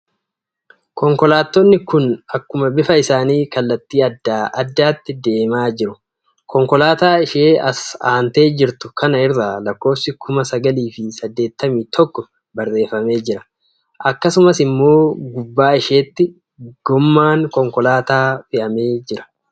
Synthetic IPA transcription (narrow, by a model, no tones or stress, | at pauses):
kɔŋkɔlaːt̪ːɔnːɪkʊnɐkːʊmɐbɪfɐɪsaːniːkɐlːɐt̪ːiːɐd̪ːaːʔɐd̪ːaːt̪ːɪd̪e̞ːmaːd͡ʒɪɾʊ | kɔŋkɔlaːt̪aːɪʃeːɐsaːnt̪e̞ːd͡ʒɪɾt̪ʊkʰɐnɐɪɾalɐkːo̞ːfsɪkʰʊmɐsɐɡɐliːfɪsɐd̪ːe̞ːt̪ːɐmiːt̪ʰɔkːɔ | bɐɾːe̞ːfɐme̞ːd͡ʒɪɾɐ̥ | ʔɐkːɐsʊmɐsɪmːo̞ːɡʊbːaːɪʃe̞ːt̪ːɪ | ɡ̥ɔmːaːŋkɔŋkɔlaːt̪aːfɪʔɐme̞ːd͡ʒɪɾɐ̥